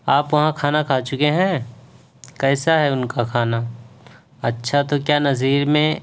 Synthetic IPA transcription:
aːpʋɐɦãkʰaːnakʰaːt͡ʃʊkeɦɛ̃ː | kɛːsaɦɛʊnkakʰaːna | ɐtːʃʰat̪okjaːnɐziːɾmẽ

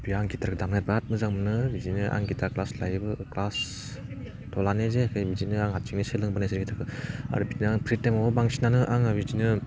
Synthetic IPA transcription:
biaŋɡitaɾkʰɯdamnat̚bat̚mɯzaŋmɯnɯbizinɯʔa̰ŋɡitʰaklaslajɯbɯklas | tʰɔlanezeakʰɯjbizinɯaŋɦat̚t͡ʃiŋnisɯlɯŋbɯnajsiɾkitʰaɾkʰɯa̰ɾɯbid͡ʒinɯaŋpʰɾit̚ːemabɯbaŋsinanɯʔaŋabizinɯ

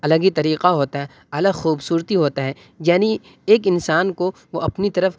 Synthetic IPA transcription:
ɐləɡit̪ɐɾiːqaɦoːt̪aɦɛ | ɐləxuːbsuːɾt̪iɦoːt̪aɦɛː | jaːni | eːkɪnsaːnkoʋoɐpnit̪ɐɾəf

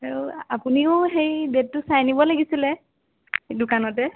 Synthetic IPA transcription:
aɹuapuniʊxejbet̚ːʊsajnibɔlaɡisilɛ | dʊkanɔtɛ

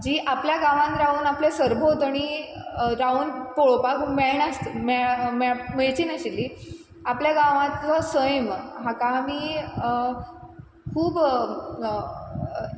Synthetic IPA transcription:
d͡ʑiːʔapljaɡaʋãnɾauːnaplesəɾbʱot̪aɽ̃i | ɾauːnpoɭopakʰumeɭɳast̪memmeɭt͡ɕiːnaɕilːiː | apljaɡaʋãt̪t͡sasəjəmɦakamiː | kʰuːb

